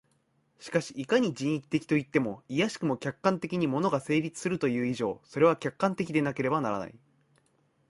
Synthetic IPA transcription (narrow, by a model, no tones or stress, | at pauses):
ɕi̥kaɕi̥ːkaɲ̟id͡ʑĩɰ̃ikʲi̥t̪e̞kʲi̥t̪o̞it̪ːe̞mo̞ijaɕi̥kɯ̟mo̞kʲakːãnt̪e̞kʲiɲ̟imo̞no̞ɡase̞ːɾʲit͡sɨ̥sɨɾɯt̪o̞jɯ̟ːiʑo̞̰ːso̞ɾe̞β̞akʲakːãnt̪e̞kʲid̪e̞nake̞ɾe̞banaɾa̰na̰ḭ